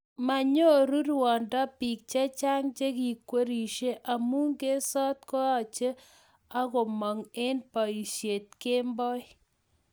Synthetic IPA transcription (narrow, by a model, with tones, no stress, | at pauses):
ma˨ɲo˦ɾu˦ɾwɔ˨nda˦pi˨k̚t͡ʃe˦t͡ʃa˦ŋt͡ʃe˦ki˨kwe˦ɾi˨ʃe˦ʔa˨mu˦ŋɡe˦sɔ˦t̪kɔ˦a˨t͡ʃe˦ | a˦kɔ˨mɔ˨ŋe˦npa˨i˨ʃje˨t̚ke˦mbɔ˦j